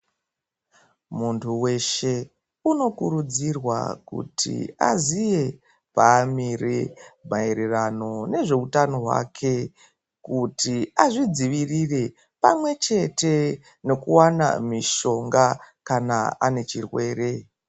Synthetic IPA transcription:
muntʰuwe̞ʃe̞ | uno̞kuɾud͡zirwa̰kṵtʰḭa̰zije̞ | paːmiremae̞ɾerano̞ne̞ʐe̞utano̞ɦwa̰kʰe̞ | kutʰiaʐid͡ziʋirire̞ | pamwe̞t͡ʃe̞te̞ | no̞kuwana̰miʃo̞ŋɡakana̰ane̞t͡ʃirwe̞ːre̞

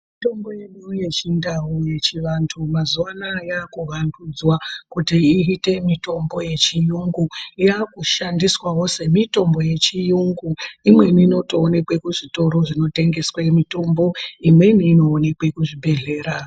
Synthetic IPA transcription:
mmito̞mbo̞jeniuje̞t͡ʃindawuje̞t͡ʃiʋantʰumazuanajaːkuʋandud͡zwakutiiɦite̞mito̞mbo̞je̞t͡ʃijuŋɡuiakuʃandiswawo̞se̞mito̞mbo̞je̞t͡ʃijuŋɡuimwe̞niːno̞to̞ːne̞kwe̞kuʐito̞ɾo̞ʐino̞te̞ŋɡe̞swamito̞mbo̞imwe̞niːno̞ːne̞kwe̞kuʐibʱe̞ɮe̞ːɾa

